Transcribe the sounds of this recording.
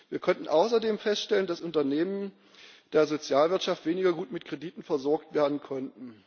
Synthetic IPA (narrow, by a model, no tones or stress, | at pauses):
viːɐkʰɔntn̩ʔaʊs̬ɐdeːmfɛstʃtɛləndasʔʊntɐneːmən | d̥eːɐzot͡sjaːlvɪɐtʃaftv̥eːnɪɡɐɡuːtmɪtkʁ̥ediːtn̩fɛɐzɔɐk̚tv̥eːɐdn̩kʰɔntn̩